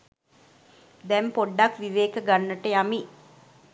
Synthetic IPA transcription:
d̪ɛmpoɖːakʋiʋeːkəɡanːəʈəjami

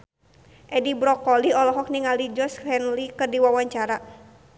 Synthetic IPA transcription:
ʔɛdibɾɔkɔliɔlɔɦɔk̚niŋalid͡ʒɔsɛnlikərdiwawaɲt͡ʃaɾa

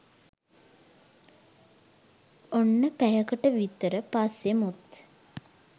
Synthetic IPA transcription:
onːəpæjəkəʈəʋit̪əɾəpasjemut̪

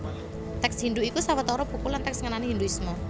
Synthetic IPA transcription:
t̪ɛksɦind̪uʔikusawət̪ɔɾɔb̥ṳkulant̪ɛksŋənaneɦind̪uismɔ

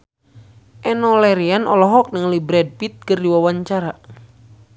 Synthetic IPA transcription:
ʔɛnɔlɛɾianʔɔ̰lɔɦɔk̚nɨŋlibɾɛd̚pit̪̚kərdiwawaɲt͡ʃaɾa

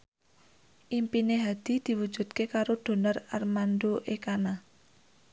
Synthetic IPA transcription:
ʔimpineɦad̪̥i̤d̪̥i̤wud̥d͡ʒ̥ṳd̪̚kekaɾod̪̥o̤nərarmand̪oʔekana

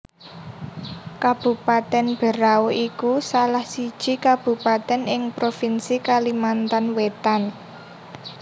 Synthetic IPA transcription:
kab̥ṳpat̪ɛnb̥ə̤ɾaoʔikusalahsid̥ʒ̥i̤kab̥ṳpat̪ɛnɪŋpɾofinsikalimant̪anwet̪an

